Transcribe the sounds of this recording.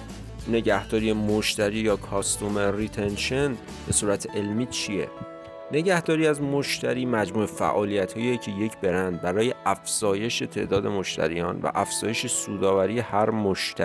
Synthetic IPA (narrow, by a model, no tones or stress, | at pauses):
ne̞ɟæhd̪ɒːɾiemoʃt̪ʰæɾiːjɒːkʰɒːst̪omerit̪ʰe̞nʃen | be̞suːɾæt̪ʰeʔe̞lmiːt͡ʃʰijḛ | ne̞ɟæhd̪ɒːɾiːæzmoʃt̪ʰæɾiːmæd͡ʒmuːefæ̰ʔɒːlijæt̪hɒːijecʰeje̞cʰbe̞ɾænd̪̚bæɾɒːje̞ʔæfz̥ɒːje̞ʃe̞t̪ʰe̞̰ʔd̪ɒːd̪e̞moʃt̪ʰæ̰ɾḭjɒːnvæ̰ʔæfz̥ɒːje̞ʃesuːd̪ɒːvæɾiːje̞hæɾmoʃt̪ʰæi